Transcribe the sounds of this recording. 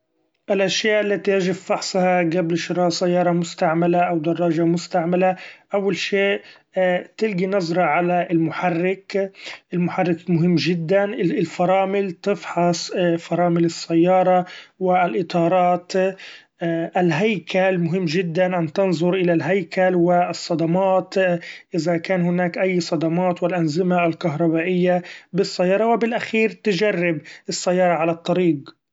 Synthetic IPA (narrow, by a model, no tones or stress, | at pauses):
ʔɪlʔaʃjaːʔalːat̪ijad͡ʒɪbfɑħsˤhɑɡablʃɪɾˤɑːʔsajːɑːɾˤɑmʊst̪aʕmalaʔawd̪ɑrˤːɑːʒamʊst̪aʕmalaʔawːalʃeːʔ | t̪ɪlɡinɑzˤɾˤɑʕalaɪlmʊħarːɪkʔɪlmʊħarˤːɪkmʊɦɪmːʒɪd̪ːanlfɑɾˤɑːmɪlt̪ɪfħɑsˤfɑɾˤɑːmɪlɪsːajːɑːɾˤɑwɪlʔɪt̪ˤɑːɾˤɑːt̪ | ʔɪlɦajkʰalmʊɦɪmːʒɪd̪ːanʔant̪ɪnzˤʊɾʔɪlalɦajkʰalwɪsˤːɑd̪ɑmɑːt̪ʔɪðakaːnhʊnaːkʔajːsˤɑd̪ɑmɑːt̪wɪlʔanzɪmalkaɦɾˤɑbaːʔɪjːabɪsˤːajːɑːɾˤɑwɪbɪlʔaxiːɾt̪ɪʒarːɪbɪsːajːɑːɾˤɑʕalat̪ˤːɑɾiːɡ